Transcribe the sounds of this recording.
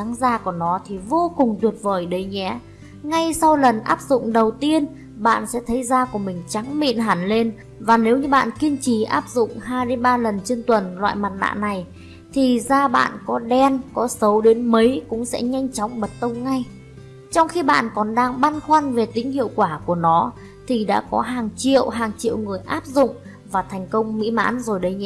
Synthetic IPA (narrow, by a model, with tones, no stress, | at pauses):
a˨˦ŋzaː˧ku˧˩ənɔ˨˦t̪ʰi˨˩vo˧kʊ˨˩ŋ͡mt̪wi˨˩ət̚vəː˨˩jɗə˨˦jɲɛ̰˧˥ | ŋa˧jsa˧wlə˨˩nʔaː˦˥p̚zʊ̰˧˨ŋ͡mɗə˨˩wt̪i˧ən | ɓa̰ː˧˨nsɛ̰˧˥t̪ʰə˨˦jzaː˧ku˧˩əmï˨˩ŋ̟t͡ɕa˨˦ŋmḭ˧˨nɦaː˧˩nle˧n | vaː˨˩ne˨˦wɲɨ˧ɓa̰ː˧˨nki˧nt͡ɕi˧˩ʔaː˦˥p̚zʊ̰˧˨ŋ͡mɦaː˧jɗe˨˦nɓaː˧lə˨˩nt͡ɕe˧nt̪wə˨˩nlwa̰ː˧˨jmaː˨˩t̚na̰ː˧˨na˨˩j | t̪ʰi˨˩zaː˧ɓa̰ː˧˨nkɔ˨˦ɗɛ˧nkɔ˨˦sə˨˦wɗe˨˦nmə˨˦jkʊ̰˧˥ŋ͡msɛ̰˧˥ɲa˧jŋ̟t͡ɕɔ˨˦wŋ͡mɓə˨˩t̚t̪ə˧wŋ͡mŋa˧j | t͡ɕɔ˧wŋ͡mxi˧ɓa̰ː˧˨nkɔ˨˩nɗaː˧ŋɓa˧nxwa˧nve˨˩t̪ï˨˦ŋ̟hḭ˧˨əwkwaː˧˩ku˧˩ənɔ˨˦ | t̪ʰi˨˩ɗa̰ː˧˥kɔ˨˦ɦaː˨˩ŋt͡ɕḭ˧˨əwɦaː˨˩ŋt͡ɕḭ˧˨əwŋɨ˨˩əjʔaː˦˥p̚zʊ̰˧˨ŋ͡m | vaː˨˩t̪ʰjŋ̟kə˧wŋ͡mmḭ˧˥ma̰ː˧˥nzo˨˩jɗə˨˧j